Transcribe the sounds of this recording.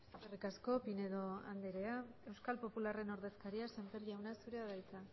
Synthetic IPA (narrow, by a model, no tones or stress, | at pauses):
erikasko̞pine̞ðo̞a̰nd̪eɾe̞ae̞wskalpo̞pulare̞no̞ɾðe̞skaɾiase̞mpeɾʝawnasuɾeaðajt͡sa